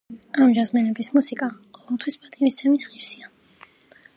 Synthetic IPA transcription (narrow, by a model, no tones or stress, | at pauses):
amd͡ʒazmɛnɛbismusikʼa | qʼɔvɛlˠt̪ʰwispʼat̪ʼimist̪sʰɛmisʁiɾsia